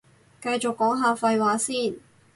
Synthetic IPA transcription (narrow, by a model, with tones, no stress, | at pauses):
kɐ˧jt͡ʃʊ˨kːɔː˨˥ŋɦaː˨fɐ˧jwaː˨˥siː˥˩n